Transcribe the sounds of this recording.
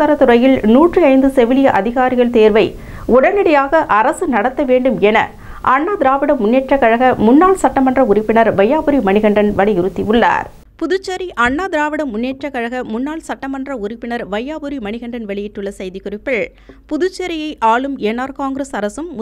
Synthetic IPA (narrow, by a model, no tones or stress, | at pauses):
ɐɾɐt̪ʊɾɐjɪlnuːʈrɯɐɪnd̪ɯsɛʋɪlɪjɐʔɐðɪɣaːɾɪɣɐɭt̪eːɾʋɐɪ | ʊɽɐnɪɽɐjaːɣɐʔɐɾɐsɯnɐɽɐt̪ːɐʋeːɳɖɯmɛnɐ̰ | ʔɐɳːaːd̪ɪɾaːʋɪɽɐmːʊnːeːʈrɐkɐɻɐɣɐmʊnːaːɭsɐʈːɐmɐndrɐʊɾɪpːɪnɐɾʋɐjːaːbɯɾimɐɳɪɣɐɳɖɐnʋɐɭɪjɪɾɯt̪ːiɯɭːa̰ːɾ | pʊðʊt͡ʃːɐɾiʔɐɳːaːd̪ɪɾaːʋɪɽɐmːʊnːeːʈrɐkɐɻɐɣɐmʊnːaːlsɐʈːɐmɐndrɐʊɾɪpːɪnɐɾʋɐjːaːbɯɾimɐɳɪɣɐɳɖɐnʋɐɭɪjɪʈːɯɭːɐsɐjðikʊrɪpːɪɭ | pʊðʊt͡ʃːɐɾɪjɐɪʔaːɭɯmeːnaːɾkaːŋɡɾɐsɐɾɐsɯmː